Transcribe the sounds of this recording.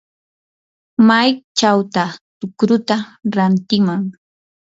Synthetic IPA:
majt͡ʃawt̪at̪ʊkɾʊt̪aɾant̪ɪmaŋ

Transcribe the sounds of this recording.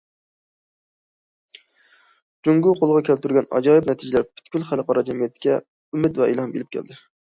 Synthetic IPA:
d͡ʒuŋɡuqʰolˠʁɑkʲʰælt̪yɾɡʲɛnɑ̰d͡ʒɑːjip̚nɛt̪ʰɪd͡ʒɪlæɾpʰy̥t̪kʲylχælqʰɑɾɑd͡ʒɛmijɛt̪ʰːkʲɛ | ymɪt̪vɛḭlˠɑmbḛlɪp̚kʲʰæ̰ld̪ɪ

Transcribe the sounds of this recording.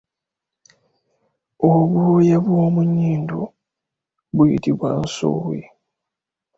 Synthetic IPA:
oβujaβwo̞ːmuɲːiːndo | βwuitiβwa̰nso̰ːwwḛ

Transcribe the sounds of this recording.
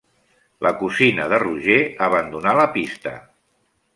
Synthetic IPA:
lʔəkusinəðəruʒeəβənd̪unaləpist̪ə̰

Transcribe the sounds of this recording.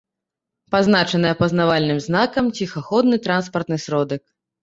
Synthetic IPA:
paznat͡ʂɐnɐjɛpɐznavalʲnɨmznakɐmt͡sʲixaxɔd̪nɨt̪ɾanspɐrt̪nɨsɾɔd̪ɐk

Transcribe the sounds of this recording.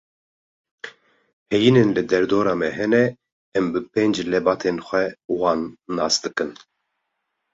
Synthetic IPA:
hɛjinenlɨd̪ɛɾd̪oːɾɑːmɛɦɛnɛ | ɛmbɨpeːnd͡ʒlɛbɑːt̪ʰeːnxʷɛwɑːnːɑːsd̪ɨkɨn

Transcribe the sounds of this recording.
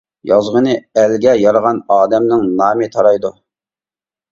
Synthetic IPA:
jɑzʁənɨælɡʲɛjɑɾəʁɑnɑːd̪ɛmnɪŋnɑːmɪt̪ʰɑɾɑjd̪u

